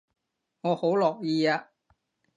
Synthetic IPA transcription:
ŋɔː˨˧ho˨˥wlɔː˨˩k̚jiː˧aː˧

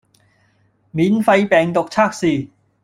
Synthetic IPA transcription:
miː˨˥nfɐ˧jpɛː˨˩ŋt̪ʊ˨k̚t͡sʰaː˥k̚siː˨˩

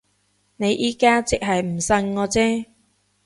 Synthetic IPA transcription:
ne˨˧jʔiː˨˧kaː˥t͡sɪ˨k̚ɦɐ˨jm̩˨˩sɐ˧ŋːɔː˨˧t͡sɛː˥

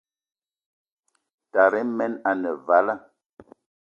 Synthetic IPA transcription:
ta˨ɾɛ˦mɛ˦na˨nə˨va˨˦la˦

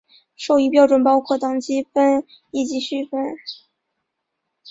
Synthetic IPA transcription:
ʂo˥˩ʊi˥pjɑ˥ʊʈ͡ʂwə˨˩npɑ˥ʊkʰɔ˥˩t̪ɑ˥ŋt͡ɕi˥fə˥n | i˥˩t͡ɕi˧˥ɕy˥˩fə˥n

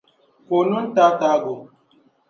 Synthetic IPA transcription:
ko˨nu˦n̩˦ta˦ta˨˦ɡo˨

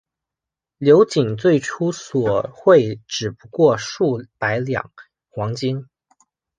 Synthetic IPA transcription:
ljo˧˥ʊt͡ɕi˨˩ŋt͡swe˥˩ɪʈ͡ʂʰu˥swɔ˨˩xwe˥˩ɪʈ͡ʂɻ̩˨˩pu˧˥kwɔ˥˧ʂu˥˩pa˧˥ɪljɑ̰˨˩˦ŋ | xwɑ˧˥ŋt͡ɕi˥n

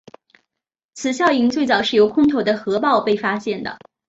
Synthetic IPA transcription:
t͡sʰɹ̩˨˩ɕjɑ˥˩ʊi˧˥ŋt͡swe˥˩ɪt͡sɑ˨˩ʊʂɻ̩˥˩jo˧˥ʊkʰʊ˥ŋt̪ʰo˨˩d̪ə˦xɤ˧˥pɑ˥˧ʊpe˥˩ɪfa˥ɕjɛ˥˩nd̪ə̰˩

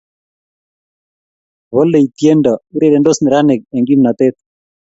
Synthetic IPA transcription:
βɔ˦le˨it̪je˦ndɔ˨i˦ɾeɾe˨ndo˦snɪ˨ɾa˦nɪ˨k̚e˨ŋɡi˦mna˨t̪e˦t̪̚

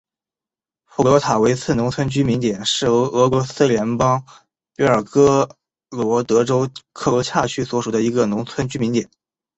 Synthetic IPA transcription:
fu˥˩lwɔ˧˥t̪ʰa˨˩we˧˥ɪt͡sʰɹ̩˥˩nʊ˧˥ŋt͡sʰwə˥nt͡ɕy˥mi˧˥ŋt̪jɛ˨˩nʂɻ̩˥˩o˧˥ɤ˧˥kwɔ˧˥sɹ̩˥ljɛ˧˥npɑ˥ŋ | pi˧˥ə˞˨˩kɤ˥ | lwɔ˧˥t̪ɤ˧˥ʈ͡ʂo˥ʊkʰɤ˥˩ɤ˧˥t͡ɕʰa˥˩t͡ɕʰy˥swɔ˧˥ʂu˨˩d̪ə˦i˧˥ɡə˧nʊ˧˥ŋt͡sʰwə˥nt͡ɕy˥mi˧˥nt̪jɛ˨˩˦n

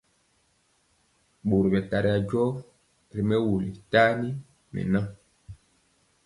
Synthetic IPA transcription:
ɓo˨ɾbɛ˨ta˨ɾi˨a˨d͡ʒɔ˦ | ɾi˨mɛ˦wu˨li˨ta˦ni˦ | nɛ̰˨nã˦

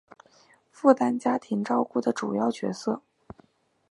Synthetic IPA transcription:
fu˥˩t̪a˥nt͡ɕja˥t̪ʰi˧˥ŋʈ͡ʂɑ˥˧ʊku˥˩d̪ə˩ʈ͡ʂṵ˨˩jɑ˥˩ʊt͡ɕɥɛ̰˧˥sɤ˥˩

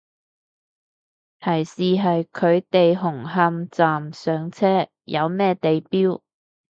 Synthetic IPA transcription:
t̪ʰɐ˨˩jsiː˨ɦɐ˨jkʰɵ˨˧ɥt̪e˨jɦʊ˨˩ŋɦɐ˧mt͡saː˨msœː˨˧ŋt͡sʰɛː˥ | jʔɐ˨˧wmɛː˥t̪e˨jpiː˥w

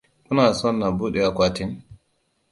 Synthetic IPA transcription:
kʊ˦naː˨sɔ˦˨nːa˨buː˦ɗɛ˨a˨kʷaː˦tɪ˦n

